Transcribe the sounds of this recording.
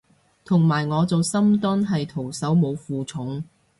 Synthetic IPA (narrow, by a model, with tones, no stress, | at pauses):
t̪ʰʊ˨˩ŋmaː˨˩jŋɔː˨˧t͡so˨˧wsɐ˥mt̪ɔ˥nɦɐ˨jt̪ʰo˨˩wsɐ˨˥wmo˨˧wfuː˨t͡sʰʊ˨˥ŋ